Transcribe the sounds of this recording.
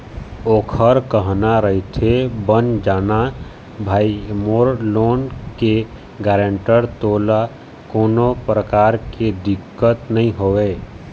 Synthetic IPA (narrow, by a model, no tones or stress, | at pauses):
oːkʰəɾkəɦnaɾəɦit̪ʰebənd͡ʒaːna | bʱaːimoːɾloːnke | ɡɛːɾə̃ɳʈəɾt̪oːla | koːnopɾəkaːɾked̪ɪkːət̪nəɦĩɦoːweː